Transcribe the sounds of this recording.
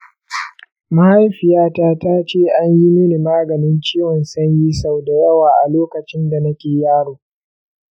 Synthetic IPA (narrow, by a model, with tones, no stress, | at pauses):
ma˦ha˦jɸɪ˨jaː˦taː˦taː˦t͡ʃeː˦˨ʔa˦ɲji˦meː˦ni˨maː˦ɡɐ˨nɪ˦nt͡ʃiː˦wɔ˨nsɐ˦ɲji˦sa˨wda˨jɐ˦waː˨ʔa˨loː˦kɐ˨t͡ʃɪ˦nda˨nɐ˦kʲeː˨jaː˦ɽoː˨